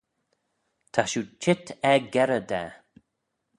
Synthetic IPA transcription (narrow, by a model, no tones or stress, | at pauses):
t̪ʰaʃut͡ʃʰɪt̪ʰɛɡɛɾəd̪ɛ̰